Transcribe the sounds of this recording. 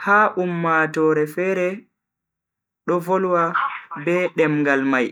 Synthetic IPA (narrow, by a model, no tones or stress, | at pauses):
haːʔumːatɔːɾɛfɛːɾɛ | ɗɔvɔlwabɛɗɛmŋɡalmaj